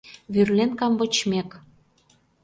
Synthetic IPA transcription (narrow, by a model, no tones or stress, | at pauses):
βyrlenkɑmbɤ̆t͡ɕmek